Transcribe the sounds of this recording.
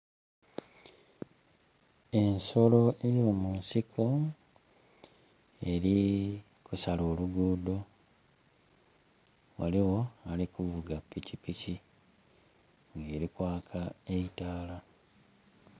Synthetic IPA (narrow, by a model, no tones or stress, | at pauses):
e̞nso̞lo̞ʔejo̞ːmunsikʰo̞ | e̞ɾi | kusalo̞ːluɡuːdo̞ | wa̰liwo̞alikuvuɡapːicipici | ŋɡe̞ːɾikwaːkʰaeitaːla